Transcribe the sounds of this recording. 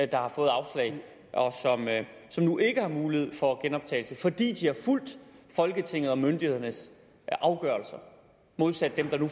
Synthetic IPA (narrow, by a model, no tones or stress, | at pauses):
d̥ɑ̈hɑ̈fɔ̽ːð̩ˠɑ̈ʊslɛ̰ɪ | ʔɒ̽sɒ̽m | sɒ̽mnuʔe̝ɡ̥əhɑ̈muːlihe̝ð̰ˠfɒ̽ɡ̥enɒ̽b̥̚t͡sʰɛ̰ɪl̩səfɒ̽d̥ḭːd̥ihɑ̈ful̰d̥fɒ̽lɡ̥ət͡sʰe̝ŋ̰ð̞̩ˠɒ̽mønd̥ihe̝ð̞̰ˠɐnəs | ɑ̈ʊɡ̥ɶɐlsɐ | mo̝ð̞ˠsæd̥ːemd̥ɑ̈nu